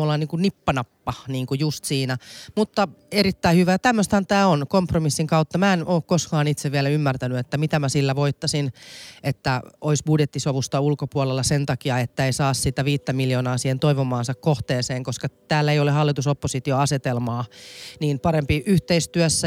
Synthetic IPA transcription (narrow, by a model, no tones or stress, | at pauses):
olːɑniːŋkunipːɑnɑpːɑniːŋkujust̪siːnæmut̪ːɑeɾit̪ːæihyʋæt̪æmːøst̪hɑnt̪æːonkompromisːiŋkɑut̪ːɑmæenoːkkoskɑːnit̪seʋʋiælæymːært̪ænyet̪ːæmit̪æmæsilːæʋoit̪ːɑsinet̪ːæoisbudjet̪ːisoʋust̪ɑulkopuɔlelːɑsent̪ɑkiɑet̪ːæeisɑːssit̪æʋiːt̪ːæmiljoːnɑːsiːhent̪oiʋomɑːnsɑkkoht̪eːseːŋkoskɑt̪æːlːæeijolehɑlːit̪usopːosit̪ioɑset̪elmɑːniːnpɑɾempiʔyht̪eist̪yœsːæ